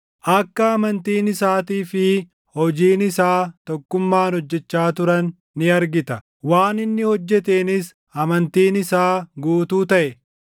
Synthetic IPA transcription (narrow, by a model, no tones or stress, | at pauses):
ʔɐkːɐːmɐnt̪iːnɪsaːt̪iːfɪ | hɔd͡ʒiːnɪsaːt̪ɔkːʊmːaːnhɔd͡ʒːɛt͡ʃːaːt̪ʊɾɐnː | ɪɐɾɡɪt̪ɐ | waːnɪnːɪhɔd͡ʒːɛt̪eːnɪs | ɐmɐnt̪iːnɪsaːɡuːt̪uːt̪ɐʔɛ